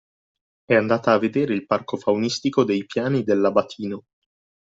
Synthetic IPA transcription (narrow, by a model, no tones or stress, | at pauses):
ɛand̪aːt̪aːvːed̪eːɾeilparkofawnist̪ikod̪ejpjaːnid̪elːabat̪ʰiːno